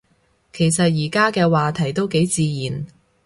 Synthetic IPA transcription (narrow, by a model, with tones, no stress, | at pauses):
kʰe˨˩jsɐ˨t̚jiː˨˩kaː˥kɛː˧waː˨t̪ʰɐ˨˩jt̪o˥wke˨˥jt͡siː˧jiː˨˩n